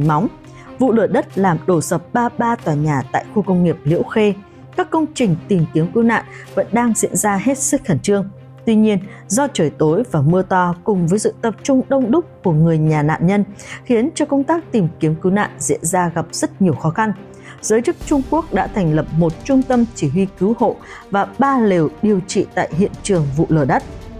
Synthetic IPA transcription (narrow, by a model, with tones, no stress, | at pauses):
ma˨˦wŋ͡m | vṵ˧˨lɨ˧˩əɗə˦˥t̚laː˨˩mɗo˧˩sə˨˩p̚ɓaː˧ɓaː˧t̪waː˨˩ɲaː˨˩t̪a̰ː˧˨jxu˧kə˧wŋ͡mŋi˨˩əp̚lḭ˧˥əwxe˧ | kaː˦˥kːə˧wŋ͡mt͡ɕï˨˩ŋ̟t̪i˨˩mki˨˦əmki˨˦wna̰ː˧˨nvə̰˧˥nɗaː˧ŋzḭ˧˥ənzaː˧ɦe˦˥t̚sɨ˦˥k̚xə˧˩nt͡ɕɨ˧əŋ | t̪wi˧ɲi˧ən | zɔ˧t͡ɕəː˧˩jt̪o˨˦jvaː˨˩mɨ˧ət̪ɔ˧kʊ˨˩ŋ͡mvəː˨˦jsɨ̰˧˨t̪ə˨˩p̚t͡ɕʊ˧ŋ͡mɗə˧wŋ͡mɗʊ˦˥k͡p̚ku˧˩əŋɨ˨˩əjɲaː˨˩na̰ː˧˨nɲə˧nxi˨˦ənt͡ɕɔ˧kə˧wŋ͡mt̪aː˦˥k̚t̪i˨˩mki˨˦əmkɨ˨˦wna̰ː˧˨nzḭ˧˥ənzaː˧ɣa˨˩p̚z̥ə˦˥t̚ɲi˨˩əwxɔ˨˦xa˧n | zəː˨˦jt͡ɕɨ˦˥k̚t͡ɕʊ˧ŋ͡mku˦˥ək̚ɗa̰ː˧˥t̪ʰɛ˨˩jŋ̟lə˨˩p̚mo˨˩t̚t͡ɕʊ˧ŋ͡mt̪ə˧mt͡ɕi˧˩ɦwi˧kɨ˨˦who̰˧˨ | vaː˨˩ɓaː˧le˨˩wɗi˨˩əwt͡ɕḭ˧˨t̪a̰ː˧˨jɦḭ˧˨ənt͡ɕɨ˨˩əŋvṵ˧˨ləː˧˩ɗə˦˥t̚